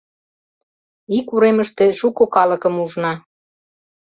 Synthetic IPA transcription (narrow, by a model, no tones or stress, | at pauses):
ikuɾeməʃt̪ĕʃukokɑlə̆kə̆muʒnɑ